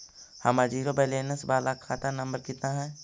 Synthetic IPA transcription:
hɐmad͡ʒiːɾobeleːnəsbaːlakʰaːt̪anɐmbəɾkɪt̪naɦɛ̃ː

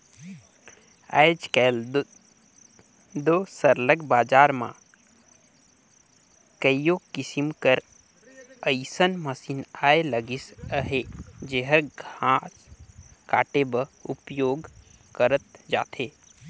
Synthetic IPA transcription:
a̰jd͡ʒkɛl | d̪osəɾləɡbaːd͡ʒaːɾmã̰ | kəijokisimkəɾ | əjsənməsinaːeləɡisəɦed͡ʒeɦəɾɡʱãskaːʈebəupjoːɡ | kəɾət̪d͡ʒa̰ːt̪ʰeː

